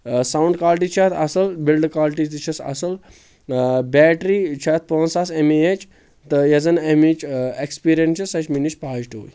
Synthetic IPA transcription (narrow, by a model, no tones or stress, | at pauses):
sawɳɖkaːlʈ̬it͡ʃʰat̪ʰɐsɐlbilɖkaːlʈid̪it͡ʃʰɐsɐ̰sɐl | bɛːʈɾit͡ʃʰat̪̚poːnsaːsemeet͡ʃ | t̪ɨjɐzɐnemit͡ʃekspiːɾjɐnt͡ʃʰɐsɐt͡ʃminit͡ʃpaːʃʈuṵj